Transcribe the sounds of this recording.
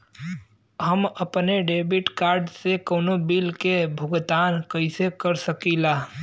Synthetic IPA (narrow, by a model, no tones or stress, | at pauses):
ɦəməpneɖeːbʱɪʈkaːɾɖsekoːnobilkebʱʊɡt̪aːnkəɪsekəɾsəkilaː